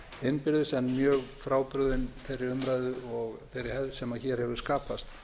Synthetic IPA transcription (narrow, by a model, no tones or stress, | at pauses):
ɪnːpɪɾðʏɪsɛnːmjœːɣfɾaːwpɾʏðɪnθɛjrːɪɾʏmɾajðʏɔɣθɪɾːɪɾ̥hɛvðsɛmaðçɛːɾ̥hɛvʏ̥skaːpast̪